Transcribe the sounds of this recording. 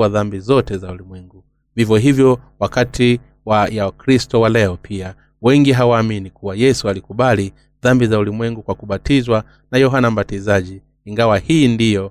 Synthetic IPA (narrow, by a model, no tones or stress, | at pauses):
aðambizɔtɛzaulimwɛŋɡu | vivjɔɦivjɔwakatʰi | wajaakɾistɔwalɛɔpʰia | wɛŋɡiɦawaːminikuwajɛsualikuɓali | ðambizaulimwɛŋɡukwakuɓatizwa | najɔɦanam̩batizaʄiː | ŋɡawahiːndijɔ